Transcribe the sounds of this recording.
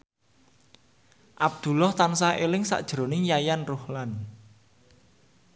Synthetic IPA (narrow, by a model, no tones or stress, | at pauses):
ʔab̚d̪̥ṳlɔht̪ansaʔelɪŋsa̰ʔd̥ʒ̥əɾo̤nɪŋjajanrʊhlan